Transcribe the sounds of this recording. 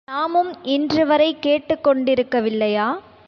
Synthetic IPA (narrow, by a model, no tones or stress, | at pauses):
naːmɯmʔɪndrɯʋɐɾɐɪkːeːʈːɯkːɔɳɖɪɾɯkːɐʋɪlːɐjaː